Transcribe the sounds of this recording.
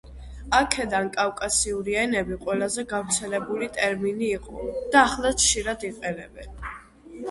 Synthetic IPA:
akʰɛd̪ankʼafkʼasiuɾiɛnɛbiqʼwɛlˠazɛɡavɾt̪sʰɛlɛbulit̪ʼɛɾminiːqʼɔ̰d̪̥aːχlˠat͡ʃʰʃiɾad̪iqʼɛnɛbɛn

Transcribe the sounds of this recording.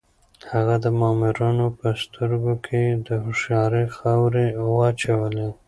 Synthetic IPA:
haɣad̪əmɑmɪɾɑnopəst̪ʰəɾɡokʰed̪əɦʊʃjɑɾexawɾewɑt͡ʃawəle

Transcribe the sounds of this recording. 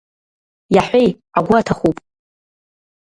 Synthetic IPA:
jaħʷej | aɡʷatʰaχupʼ

